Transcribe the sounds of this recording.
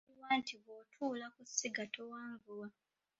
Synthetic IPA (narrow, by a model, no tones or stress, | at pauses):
iwaːntʰiβotʰuːlakusiɡatʰowaːɱɡuwa